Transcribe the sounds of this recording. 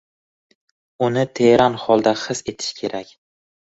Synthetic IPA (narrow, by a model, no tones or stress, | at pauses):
ʊnɪt̪ʰeɾʔanχɒlˠd̪aχɨse̞t̪ʰɪ̥ʃkʲʰe̞ɾʔakʲ